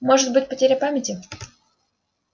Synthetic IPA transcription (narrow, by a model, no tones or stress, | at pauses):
mo̞ʐɨt̪̚bɨtʲpətʲeɾʲapamʲɪtʲɪ